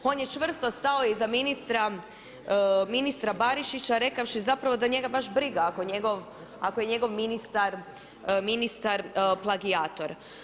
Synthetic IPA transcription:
o̞ːnjet͡ʃʋr̩st̪ost̪ao̞jizaminist̪ɾa | minist̪ɾabaɾiʃit͡ɕaɾe̞kaʋʃizapɾaʋo̞d̪aɲe̞ɡabaʃbɾiɡaakoɲe̞ɡo̞ʋ | akoje̞ɲe̞ɡo̞ʋminist̪aɾ | minist̪aɾplˠaɡiaːt̪o̞ɾ

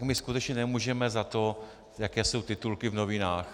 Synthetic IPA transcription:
kmɪskut̪ɛt͡ʃɲɛnɛmuːʒɛmɛzat̪o̞ | jakɛːso̞wt̪ɪt̪ulkɪvno̞vɪnaːx

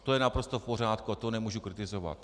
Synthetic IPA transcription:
t̪ojɛnapɾost̪ofporjaːt̪kuat̪onɛmuʒukɾit̪ɪzova̰t̪

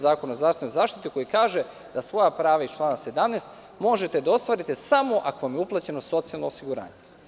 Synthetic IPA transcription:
zaːkonaozɾaːfst̪enojzaːʃt̪it̪iko̞jikaːʒe | d̪̥asʋo̞japɾaːʋait͡ʃlˠaːnase̞d̪amneːst̪ | mo̞ʒe̞t̪e̞d̪ao̞st̪ʋaːɾit̪esamo̞ʔakoʋamjeuplˠat͡ɕe̞no̞so̞t̪sialˠnoosiɡuɾa̰ːɲe

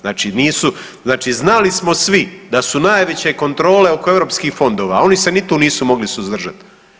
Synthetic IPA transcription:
znaːt͡ʃiniːsu | znaːt͡ʃiznalismo̞sʋid̪asunaːjʋe̞t͡ɕe̞ko̞nt̪ɾo̞ːle̞o̞koe̞ʋɾo̞ːpskiːxfo̞nd̪o̞ːʋa̰o̞nise̞nit̪uniːsumo̞ɡlisuzd̪r̩ʒat̪

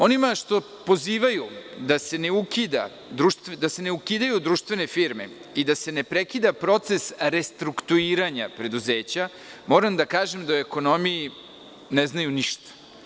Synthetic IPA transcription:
o̞nimaʃt̪o̞ | po̞ziːʋajud̪ase̞ne̞ukid̪a̰ | d̪ɾuʃt̪ed̪ase̞neukid̪ajud̪ɾuːʃt̪ʋe̞ne̞fiɾmḛ | id̪ase̞ne̞pɾekid̪apɾo̞t̪se̞sɾe̞st̪ɾukt̪uiːɾaɲapɾe̞d̪uzeːt͡ɕa | mo̞ːɾamd̪akaːʒemd̪aueko̞no̞mii | neznajuniʃt̪ḁ

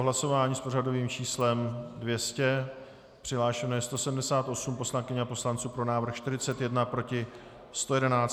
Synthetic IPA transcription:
oɦlaso̞vaːɲiːsporado̞viːmt͡ʃiːslɛmdvjɛscɛ | pr̥ɪɦlaːʃɛnojɛst̪o̞sɛdm̩dɛsaːt̪ʔo̞sumpo̞slaŋkɪɲɛapo̞slant͡suːpɾo̞naːvɾ̩xʃt̪ɪɾɪt͡sɛt̪jɛdnapɾo̞cɪ | st̪o̞jɛdɛnaːt͡s

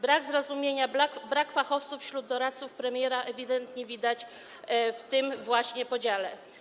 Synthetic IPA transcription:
bɾaɡzɾɔzumʲjeɲabɾakfaxɔft̪sufɕɾud̪ːɔɾat̪t̪sufpɾɛmʲjɛɾaʔɛvʲid̪ɛnt̪ɲɛvʲid̪at͡ɕ | ft̪ɘmvwaɕɲɛpɔd͡ʑalɛ

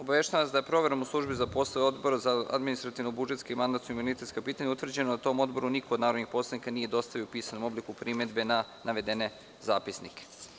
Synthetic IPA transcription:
o̞baʋe̞ʃt̪aʋaʋasd̪ajepɾo̞ʋe̞ɾomuslˠuʒbizapo̞sajeo̞d̪bo̞ɾzaa̰d̪minist̪ɾat̪iʋnobud͡ʒet̪kaimand̪at̪oimunit̪e̞t̪skapiːt̪aɲaut̪ʋr̩d͡ʑe̞nod̪at̪o̞ːmo̞d̪bo̞ɾunikod̪naːɾod̪nixpo̞slˠad̪nikanije̞d̪o̞st̪aʋiopiːsanomo̞blikupɾime̞d̪be̞na | naʋe̞d̪ene̞ | zaːpisnike̥

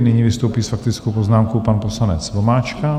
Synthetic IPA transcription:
nɪɲivɪst̪owpiːsfak̚t̪ɪt͡skowpoznaːmkowpanposlanɛt͡svomaːt͡ʃka

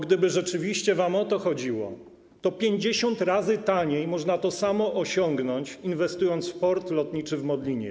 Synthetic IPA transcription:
ɡd̪ɘbɘʐɛt͡ʂɘvʲiɕt͡ɕɛvamɔt̪ɔxɔd͡ʑiwɔ̰ | t̪ɔpʲjeɲd͡ʑeɕɔnt̪ɾazɘt̪aɲejmɔʐnat̪ɔsamɔʔɔɕɔŋɡnɔɲt͡ɕinvɛst̪ujɔnt̪sfpɔɾt̪lɔt̪ɲit͡ʂɘvmɔd̪lʲiɲɛ̰

